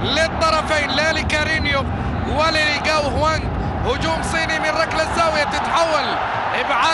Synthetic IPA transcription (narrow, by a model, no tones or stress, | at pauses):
lɪt̪ˤːɑɾˤɑfaːnlalikaɾiːnjʊ | waliliɡawɦwaŋɡ | hʊd͡ʒuːmsˤiːnimɪnɾˤɑklazːawjat̪ɪt̪ħawːal | ʔɪbʕa